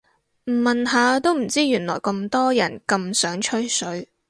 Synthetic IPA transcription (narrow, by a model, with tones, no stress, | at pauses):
m̩˨˩mɐ˨nɦaː˨˧t̪o˥wm̩˨˩t͡siː˥jyː˨˩nlɔ̰ː˨˩jkɐ˧mt̪ɔː˥jɐ̰˨˩nkɐ˧msœː˨˥ŋt͡ʃʰɵ˥ɥsɵ˨˥ɥ